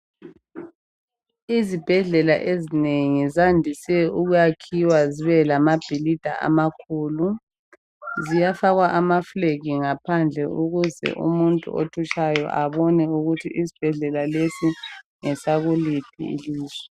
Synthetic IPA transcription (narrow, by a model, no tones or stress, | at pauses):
izib̥ʱɛɮɛla̰ʔezineŋizandʱisɛuɣujakʰiwaziβɛlamab̥ʱilid̥ʱa̰ʔa̰makʰuːlu | zijafaɣwaʔamafleɣiŋapʰand͡ɮʱɛʔuɣuzɛ̰ʔṵmuntʼṵo̰tʰut͡ʃajɔ̰ʔaβɔnɛuɣutʰiʔisi̥b̥ʱɛɮɛlalesiŋɛsaɣulip̚ʰḭḭliːzwɛ